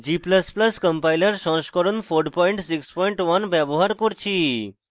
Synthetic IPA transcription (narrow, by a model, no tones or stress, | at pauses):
d͡ʒipləspləskəmpailəɾʃɔ̃ʃkɔɾonfʰoɾɖpɔiɳʈsikspɔiɳʈʋɐnbɛboɦaɾkoɾt͡ʃʰi